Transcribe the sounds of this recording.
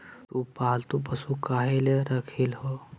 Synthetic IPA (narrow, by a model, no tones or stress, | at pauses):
t̪upaːlt̪upəsukaːɦeleɾɐkʰilɦo